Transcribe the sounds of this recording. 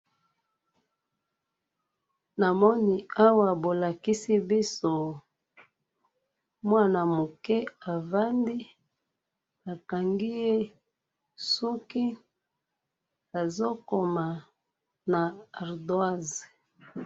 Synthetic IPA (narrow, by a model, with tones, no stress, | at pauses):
na˨mɔ˦ni˨a˦wa˨bo˨la˨ki˦si˦bi˦so˦ | mwa˦na˨mo˨kɛ˦a˨va˦ndi˦ | a˨ka˨ŋɡi˦je˦ | su˦ki˦ | a˨zo˦ko˨ma˨ | na˨a˨ʁdwa˦ze̥˨